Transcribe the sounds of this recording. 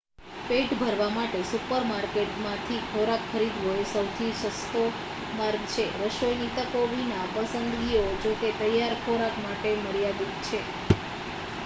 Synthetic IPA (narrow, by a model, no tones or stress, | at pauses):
peʈbʱəɾʋamaʈesupəɾmaɾkeʈmãt̪ʰikʰoɾakxəɾid̪ʱɦoesəwt̪ʰiʃəst̪o | maɾɡt͡ʃʰeɾəʃojnit̪əkoʋinapəsənd̪ɡiod͡ʒoket̪əjːaɾkʰoɾakmaʈeməɾjad̪itt͡ʃʰe